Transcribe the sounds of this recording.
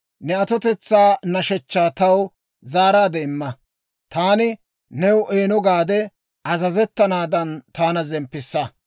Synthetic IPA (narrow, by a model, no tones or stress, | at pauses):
nɛɐt̪ɔt̪ɛt͡sːaːnɐʃɛt͡ʃːaːt̪ɐw | zaːɾaːd̪ɛɪmːɐ | t̪aːnɪ | nɛwʊʔeːnɔɡaːd̪ɛ | ɐzɐzɛt̪ːɐnaːd̪ɐnt̪aːnɐzɛmpːɪsːɐ